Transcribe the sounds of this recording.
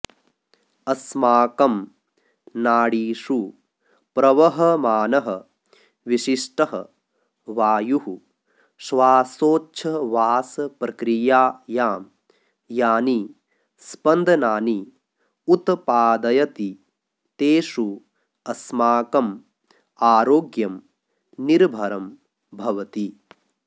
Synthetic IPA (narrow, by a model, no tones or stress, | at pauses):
ɐsmaːkɐm | naːɽiːʂu | pɾɐʋɐɦɐmaːnɐɦɐ | ʋiʃiʂʈɐɦɐ̰ | ʋaːjuɦu | sʋaːsoːt͡ʃʰɐʋaːsɐpɾɐkɾijaːjaːm | jaːni | spɐnd̪ʱɐnaːni | ut̪paːd̪ɐjɐt̪i | t̪eːʃu | ɐsmaːkɐm | aːɾoːɡjɐm | niɾbʱɐɾɐm | bʱɐʋɐt̪i